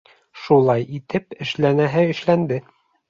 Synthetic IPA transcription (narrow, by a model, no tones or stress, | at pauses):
ʃulˠɑjit̪ɘpɘ̆ʃlænæɦɘɘ̆ʃlænd̪ɘ